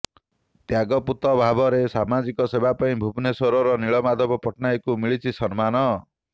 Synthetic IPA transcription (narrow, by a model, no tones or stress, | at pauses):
t̪jaɡɔput̪ɔbʱabɔɾesamad͡ʒikɔsebʱapaĩbʱubnesɔɾɔɾɔniɭɔmad̪ʱɔbɔpɔʈnajkumiɭit͡ʃʰisɔnmanɔ